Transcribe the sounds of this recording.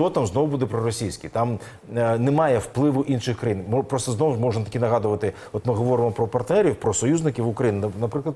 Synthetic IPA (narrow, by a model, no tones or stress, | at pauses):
t̪ɔt̪amznɔʋʊbud̪ɛpɾɔɾɔsʲijsʲkʲit̪ɑm | nɛmɑjɛwplˠɪʋʊʔinʃɪxkɾɐjinmɔpɾɔst̪ɔznɔwmɔʐnɐt̪ɐ̥kʲinɐɦɑd̪ʊʋɐt̪ɪ | ɔt̪mɪɦɔʋɔɾɪmɔpɾɔpɐrt̪nɛɾʲiwpɾɔsɔjuzʲnɪkʲiwʊkɾɐjinɪnɐpɾɪklˠɐd̪